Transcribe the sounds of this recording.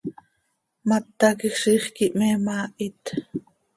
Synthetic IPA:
mat̪ːɑkixʃiːχkiʔmɛːmaːʔit̪

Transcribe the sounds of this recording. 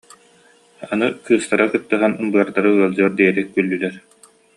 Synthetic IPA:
anɯkɯːst̪aɾakɯt̪ːɯɦanɯmbɯɐɾd̪aɾɯɯɐlˠd͡ʑɯɐɾd̪iɛɾikylʲːylɛɾ

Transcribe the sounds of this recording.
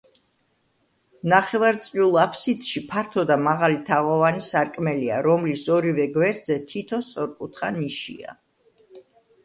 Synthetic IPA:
naχɛvaɾt̪sʼviulˠapʰsit̪ʃipʰaɾt̪ʰɔd̪amaʁalit̪ʰaʁɔvanisaɾkʼmɛlia̰ɾɔmlisɔɾivɛɡwɛɾd̪zɛt̪ʰit̪ʰɔst̪sʼɔɾkʼut̪ʰχaniʃḭa̰

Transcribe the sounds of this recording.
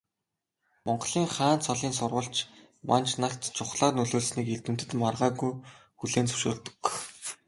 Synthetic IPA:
mɔɴɢɮiːŋχaːnt͡sʰɔɮiːnsʊrʁə̆ɬt͡ɕ | mʔant͡ɕnaɬt̪t͡ɕʰʊχɮaːtnɵɮoːɮsniːkeɮt̪ɘ̆m̥t̪ɘ̆t̪marʁaːɣujxuɮeːnt͡sʰɵ̥wʃo̰ːɮt̪ɵ̥̆k

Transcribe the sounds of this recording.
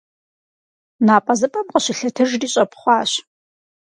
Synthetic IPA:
naːpʼɐzɨpʼɐmqəɕɪɬɨtʰɨʒdiːɕʼɐpχʷɑːɕ

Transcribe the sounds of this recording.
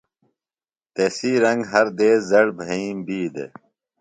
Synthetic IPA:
t̪eːsiːɾɐŋɡɦɐɾd̪eːzɐɽbʱɐĩːmbiːd̪ḛ

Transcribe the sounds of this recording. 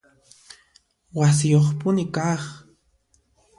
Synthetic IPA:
wasɪjoχpʊnɪkaχ

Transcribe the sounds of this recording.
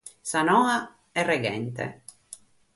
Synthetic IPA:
sanɔːa | ɛrːeɡɛnt̪ḛ

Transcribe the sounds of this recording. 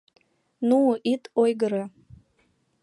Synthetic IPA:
nuʔitʼojɡɨɾa

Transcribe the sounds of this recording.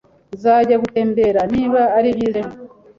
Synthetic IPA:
zaːɟaɡute̞ːmbe̞ɾaniːβaːɾiβilemo

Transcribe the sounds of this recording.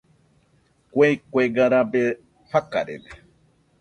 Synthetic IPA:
kʷejkʷeɡaɾabe | haka̰ɾḛde

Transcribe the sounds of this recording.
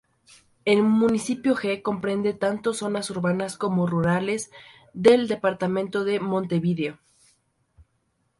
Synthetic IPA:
elmũnisipjo̞xe̞ko̞mpɾe̞nd̪e̞t̪ant̪o̞so̞nasuɾβanasko̞mo̞ruɾale̞z | ðe̞ld̪e̞paɾt̪amẽnt̪o̞ðe̞mõ̞nt̪e̞βiðeo

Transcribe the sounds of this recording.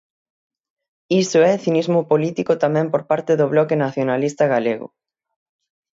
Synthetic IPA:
isʊɛθinizmʊpolit̪ikʊt̪amɛ̃mpoɾpaɾt̪ɪðʊβlɔkenaθjonalist̪aɣaleɣʊ̰

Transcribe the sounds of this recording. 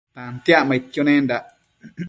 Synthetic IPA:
t̪ant̪jaʔmait̪jonendaʔ

